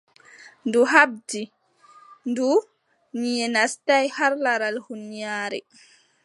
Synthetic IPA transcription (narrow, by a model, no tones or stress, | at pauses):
nduɦab̚di | ndu | nijɛnastajhaɾlaɾalhunijaːɾɛ̰